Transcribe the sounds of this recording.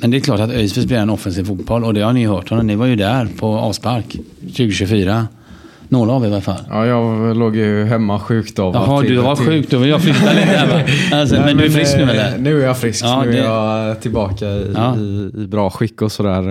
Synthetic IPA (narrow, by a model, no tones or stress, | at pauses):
mɛnd̪ɛːklɑːʈat̪œjsvɪsblɪɾɛnɔfɛnsiːvfuːt̪̚b̥ɔlːɔd̪ɛhaɾnɪɦœːʈhɔnːɔmnɪvaɾjɵd̪æɾpʰɔɑ̰ːspaɾkɕʉ̟ːɡəɕʉfyːɾa | noːɾaavɪvaɾfa̰lːɑːjɑloːɡjɵɦɛmːaɧʉ̟ːkt̪avaɦɔd̪ɵhavaɧʉ̟ːk̚d̪ɔvɪljaflʏt̪ːaliːt̪əhɛmɛasɔmɛnd̪ɵɛɾfɾɪsknʉːhɛlːəɾnʉ̟ːæɾjɑfɾɪskɑːɛjɑt̪ʰɪlbɑːkaɪɑːɪːbɾɑːɧɪkːɔsɔd̪æːɾ